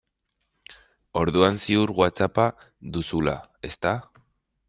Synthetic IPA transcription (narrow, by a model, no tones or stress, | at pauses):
o̞ɾðuansiuɾɣwat͡sapa | ðusula̰e̞st̪a